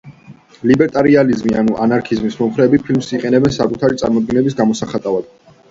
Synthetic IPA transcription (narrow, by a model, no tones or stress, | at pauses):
libɛɾt̪ʼaɾializmianuʔanaɾkʰizmismɔmχɾɛːbipʰilmsiqʼɛnɛbɛnsakʼut̪ʰaɾit̪sʼa̰ɾmɔd̪̚ɡɛnɛbisɡamɔsaχat̪ʼavad̪̥